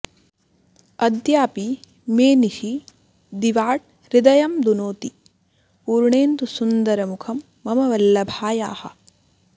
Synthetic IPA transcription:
ɐd̪jaːpi | meːniʃi | d̪iʋaːʈ̚ | ɾid̪ɐjɐmd̪unoːt̪i | puːɾɳeːnt̪usund̪ɐɾɐmukʰɐmːɐmɐʋɐlːɐbʱaːjaːhɐ̰̆

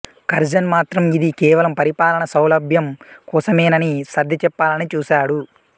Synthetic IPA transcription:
kɐɾd͡ʒɐnmaːt̪ɾɐmid̪ikɛːʋɐlɐmpɐɾipaːlɐɳɐsɐwlɐbʱjɐmkɔːsɐmɛːnɐnisɐd̪ʱːɐt͡ʃɛpːaːlɐnit͡ʃuːsaːɽu

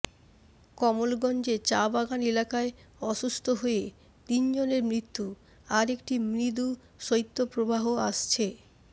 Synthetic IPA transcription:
kɔmolɡɔnd͡ʑet͡ɕabaɡanelakaeɔʃust̪ʰoɦoe | t̪ind͡ʑoneɾmɾit̪ːu | aɾekʈimɾid̪u | ʃoit̪ːopɾobaɦoaʃt͡ɕʰe

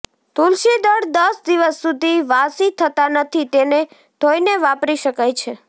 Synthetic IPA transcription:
t̪ulʃid̪əɽd̪əsd̪iʋəsːud̪ʱiʋasit̪ʰət̪anət̪ʰit̪ene | d̪ʱoineʋapɾiʃəkajt͡ʃʰe

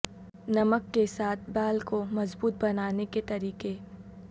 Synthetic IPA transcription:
nɐməkːesaːt̪̚ʰbaːlkomɐzbuːt̪̚bɐnaːneket̪ɐɾiːke

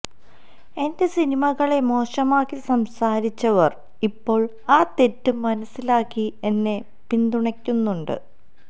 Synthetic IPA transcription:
e̞nde̞sinimɐɣɐɭe̞mo̞ːʂɐmaːkːisɐmsaːɾit͡ɕːɐʋɐr | ipːo̞ːɭ | aːt̪e̞tːumːɐnɐsːilaːkːie̞nːe̞ | pind̪uɳɐkʲːunːuɳɖɨ̰

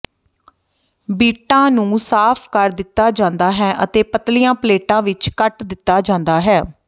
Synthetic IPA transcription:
biːʈãːnũːsaːpʰkəɾd̪ɪt̪ːaːd͡ʒãːnd̪aːɦɛːʔət̪eːpət̪lɪjãːpəleːʈãːʋɪt͡ʃkəʈd̪ɪt̪ːaːd͡ʒãːnd̪aːɦɛː

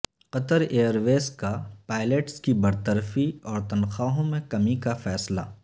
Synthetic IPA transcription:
qɐt̪əɾeːəɾʋeːskapaːɪleʈskibɐɾt̪əɾfiɔːɾt̪ɐnxaːɦõmẽkɐmikafɛːsla̰ː

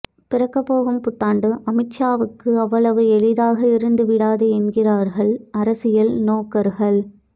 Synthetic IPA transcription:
pɪrɐkːɐpːoːɣɯmpʊt̪ːaːɳɖɯʔɐmɪt͡ʃːaːʋɯkːɯɐʋːɐɭɐʋɯɛɭɪðaːɣɐɪɾɯnd̪ɯʋɪɽaːðɯɛnɡɪraːɾɣɐɭɐɾɐsɪjɐlnoːkːɐɾɣɐɭ

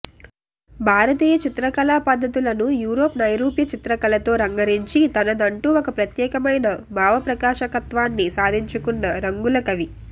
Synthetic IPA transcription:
bʱaːɾɐt̪iːjɐt͡ʃit̪ɾɐkɐlaːpɐd̪ʱːɐt̪ulɐnujuːɾoːpnɐjɾuːpjɐt͡ʃit̪ɾɐkɐlɐt̪o̞ːɾɐŋɡɐɾiɲt͡ʃit̪ɐnɐd̪ɐɳʈuːokɐpɾɐt̪jɛːkɐmɐjnɐbʱaːʋɐpɾɐkaːʃɐkɐt̪ʋaːnːisaːd̪ʱiɲt͡ʃukunːɐɾɐŋɡulɐkɐʋi

